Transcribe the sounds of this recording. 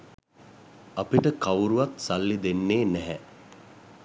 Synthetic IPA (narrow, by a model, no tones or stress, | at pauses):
apiʈəkawɾuʋat̪salːid̪enːeːnɛɦɛ